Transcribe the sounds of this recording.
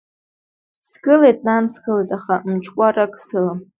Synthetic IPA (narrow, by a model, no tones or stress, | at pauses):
sɡɨlejtʼnansɡɨletʼaχamt͡ʃʰkʷʼarakʰʼsɨla